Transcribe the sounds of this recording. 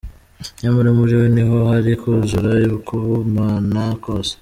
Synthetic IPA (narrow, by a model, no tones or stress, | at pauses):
jamuɾimuɾiweniɦo̞haɾikuzuɾajukuβumanakose̥